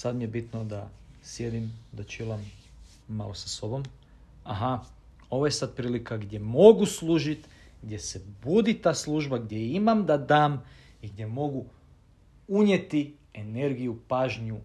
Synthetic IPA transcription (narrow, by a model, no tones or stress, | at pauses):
sad̪mije̞bit̪nod̪asje̞d̪imd̪at͡ʃilˠamː | a̰losaso̞bo̞m | aɦa | o̞ʋoje̞sad̪̚pɾiːlikaɡd̪je̞mo̞ɡuslˠuːʒit̪ɡd̪je̞sebud̪it̪aːslˠuːʒbaɡd̪je̞imamd̪ad̪aːm | iɡd̪je̞mo̞ɡu | uɲjet̪i | ene̞ɾɡijupaːʒɲu